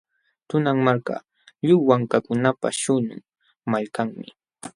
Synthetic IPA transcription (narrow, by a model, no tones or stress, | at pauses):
t̪ʊnaŋmaɾka̰ | ʎʊwaŋkakʊnapa̰ʃʊnʊ̰ŋ | maʎkaŋmɪ̰